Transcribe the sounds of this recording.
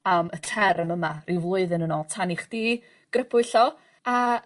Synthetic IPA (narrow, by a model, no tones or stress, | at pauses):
amətʰɛɾəməmarivlˠʊɨðɨnənɔːlˠtʰaniχd̥iː | ɡ̥rəpʰʊɨɬɔ | a